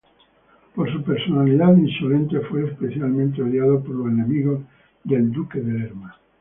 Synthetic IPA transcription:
poɾsupe̞ɾsonaliðaðinso̞lẽ̞nt̪efweːspeθjalmẽnt̪eoðjaðopoɾloenẽmiɣo | d̪eld̪ukeðeleɾma

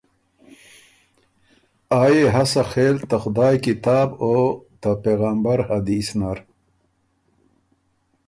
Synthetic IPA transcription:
aːjeɦɐsaxeːlt̪ɐxʊd̪aːjkit̪aːboːt̪apeɣambɐɾhad̪iːsnaɾ

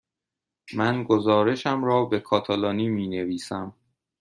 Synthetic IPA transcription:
mænɡozɒːɾe̞ʃæmɾɒːbekʰɒːt̪ʰælɒːniːmiːneviːsæm

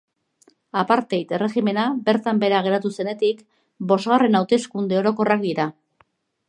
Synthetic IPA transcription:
apaɾt̪ejt̪e̞re̞ɣime̞nabe̞ɾt̪ambe̞ɾaɣ̞e̞ɾat̪use̞ne̞t̪ik | bo̞zɣare̞nawt̪e̞skund̪eo̞ɾo̞ko̞rak̚d̪iɾa

